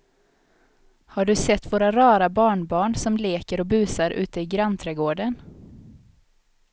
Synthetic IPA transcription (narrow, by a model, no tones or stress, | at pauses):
haɖɵsɛt̪ːvoːɾaɾɑːɾabɑːɳbɑːɳsɔmleːkəɾɔbʉ̟ːsaɾʔʉ̟̰ːt̪əɪɡɾant̪ʰɾɛɡoːɖən